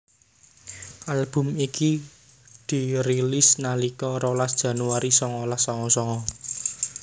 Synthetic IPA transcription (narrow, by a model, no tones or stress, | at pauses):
ʔalb̥ʊ̤miki | d̪̥i̤ɾilisnalikɔɾolasd̥ʒ̥ä̤nuaɾisɔŋɔlahsɔŋɔsɔŋɔ